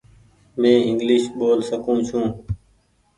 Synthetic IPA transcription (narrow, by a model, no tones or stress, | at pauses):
mẽːɪ̃ŋɡlɪʃɓoːlsəkũːt͡ʃʰũː